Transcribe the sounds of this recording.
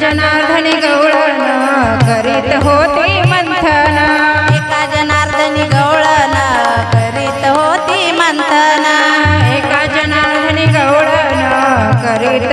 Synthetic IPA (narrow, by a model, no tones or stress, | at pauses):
d͡ʒɐnaɾd̪ʱɐniɡɐwɽɐnɐkəɾit̪ɦot̪imɐnt̪ʰənɐekad͡ʒɐnaːɾd̪ʱəniɡɐwɽənɐkəɾit̪ɦot̪i | mɐnt̪ʰənɐekad͡ʒɐnaːɾd̪ʱəniɡɐwɽənakəɾit̪